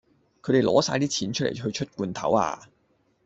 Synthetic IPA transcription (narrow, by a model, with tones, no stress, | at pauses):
kʰɵ˨˧t̪e˨jlɔː˨˥saː˧jt̪iː˥t͡sʰiː˨˥nt͡ʃʰt̚lḛ˨˩jɦɵ˧ɥt͡ʃʰɵ˥t̚kuː˧nt̪ʰɐ̰˨˥wa̰ː˧